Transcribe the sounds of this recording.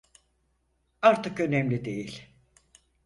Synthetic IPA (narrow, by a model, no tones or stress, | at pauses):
aɾt̪ʰɯkø̞nɛmlʲid̪e̞jilʲ